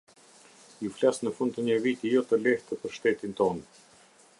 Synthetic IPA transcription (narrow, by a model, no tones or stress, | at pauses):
juflasnəfund̪̚t̪əɲəvit̪ijɔt̪əlɛht̪əpəɾʃt̪ɛt̪int̪ɔn